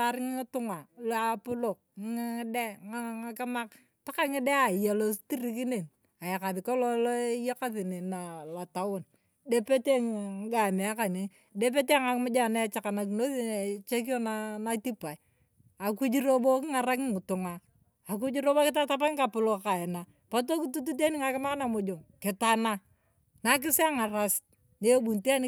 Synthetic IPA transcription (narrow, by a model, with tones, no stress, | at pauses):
a˨ɾɪ˦ŋɪ˦ɪ˦tʊ˦ŋa˨la˨pʊ˦lo˨k̚ŋ˦ŋɪ˦dɛ˦ŋa˦˨ŋa˦ka˦ma˦k | ta˦ka˦ŋɪ˦dɛ˦a˨ja˨lo˦sti˦ɾi˨ki˦ne˨n | a˨ja˨ka˨ðɪ˨kɔ˦lɔ˦lɔ˦ja˦ka˦θi˨ne˨na˨la˨ta˦wo˦n | de˦pe˦te˦ŋ˨ŋ˦ɡa˨me˨a˦ka˨ni˨ | de˦p̬e˦te˦ŋa˨kmʊ˦d͡ʒa˦˨na˦t͡ʃa˨ka˨na˨k̬no˦i˦˨t͡ʃe˦k̬i˦ɔ˦na˦na˦ti˦pa˨i˨ | a˨ku˦d͡ʒi˦ɾo˦bo˦kɪ˦ŋa˨ɾa˦kɪ˦ŋ˨tʊ˨ŋaː˦˨ | k̬u˦d͡ʒi˦ɾo˦bo˦kɪ˦ta˦ta˦pa˦ŋ˦ka˨pʊ˦lo˦ka˨ɛ˨na˨ | pa˦t̬o˦ki˦tu˦t̬u˦t̬e˦nɪ˦ŋa˨kɪ˦ma˦na˨mʊ˨d͡ʒo˨ŋkɪ˨ta˨na˦ | na˨˦k̬ɪ˦sɪ˦a˦ŋa˨ɾa˦s | ne˦bu˨nte˦a˦n˦